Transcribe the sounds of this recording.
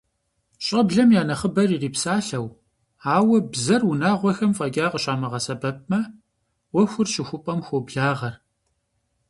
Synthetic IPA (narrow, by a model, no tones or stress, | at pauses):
ɕʼɐbɮɐmjaːnɐχəbɐririːpsaːɬɐw | aːwɐbzɐrwʊnaːʁʷɔxɐmfʼɐɡʲaːqəɕʼaːmɐʁɐsɐbɐp̚ʼmɐ | wɐxʷʊrʃɪxʷʊpʼɐmxʷobɮaːʁɐr